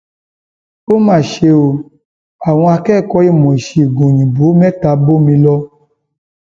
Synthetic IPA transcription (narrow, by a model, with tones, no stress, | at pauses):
o˦mãː˦˨ʃe˧o˧ | a˨w̃ɔ̃˧a˧kɛː˦˨kɔ˧˦i˦˨mɔ̃˨i˨ʃi˨˦i˨ɡõ˨ɲĩ˨bo˨˦mɛ˦ta˨˧bo˦mĩ˧lɔ˧˦